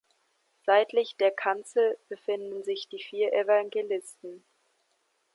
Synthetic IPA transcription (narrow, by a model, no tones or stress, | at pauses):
z̥aɪtlɪçd̥eːɐkʰant͡sl̩b̥əfɪndn̩zɪçd̥iːfiːɐʔevaŋɡelɪstn̩